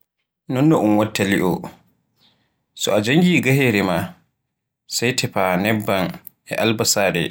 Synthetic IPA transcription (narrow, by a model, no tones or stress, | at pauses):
nɔnːɔʔunwatːaliʔɔ | sɔad͡ʒaŋɡiːɡaheɾɛma | sajtʰɛpanɛbːan | ʔɛʔalbasaːdɛ̰